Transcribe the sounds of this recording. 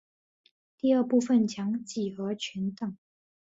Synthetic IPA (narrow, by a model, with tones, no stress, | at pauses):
t̪i˥˧ə˥˧pu˥˧fə˥˨nt͡ɕʰjɑ˧˥ŋt͡ɕi˨˩xɤ˧˥t͡ɕʰɛ˧˥nt̪ə˨˩ŋ